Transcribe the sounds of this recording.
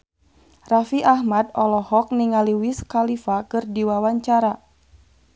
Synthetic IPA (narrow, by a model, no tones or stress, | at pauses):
rafiʔahmadɔlɔhɔk̚niŋaliwiskalifakɨrdiwawaɲt͡ʃaɾa